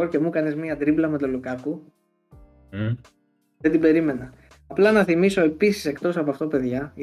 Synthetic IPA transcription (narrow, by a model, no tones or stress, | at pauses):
oɾce̞mukɐnezmiɐd̪ɾiblɐme̞t̪o̞lukɐku | ðed̪ibe̞ɾime̞nɐ | ɐplɐnɐθimiso̞e̞pisi̥se̞kt̪o̞sɐpoɐft̪o̞pe̞ðʝɐ